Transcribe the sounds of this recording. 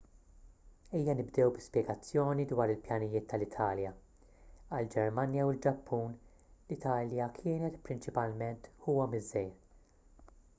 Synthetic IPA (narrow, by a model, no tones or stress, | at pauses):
iːjːɐnɪbd̪ɛwbɪspjɛɡɐt͡sːjɔːnid̪wɐːɾɪlpjɐnɪjɪːt̪ːɐlɪt̪ʰɐːljɐ | ɐld͡ʒɛɾmɐnjɐwɪld͡ʒɐpːuːn | lɪt̪ʰɐːljɐkʰɪːnɛt̪pɾɪnt͡ʃɪpɐlmɛnt̪huːwɐmɪzːɛjɾ